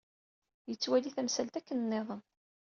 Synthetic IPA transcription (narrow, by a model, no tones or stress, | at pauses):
jət͡sːwæliθæmsælt̪ækːənnːeðˤən